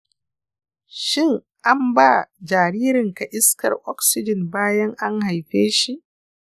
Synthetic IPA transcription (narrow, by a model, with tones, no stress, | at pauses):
ʃɪ˦˨ŋ | ʔa˦mbaː˦˨d͡ʒaː˨ɾiː˦ɾɪ˨ŋka˨ʔɪ˦skɐ̰˨rʔɔ˦ksɪ˦d͡ʒɪ˨nbaː˦jɐ˦ŋʔa˦ŋha˨jɸeː˦ʃi˦ʔ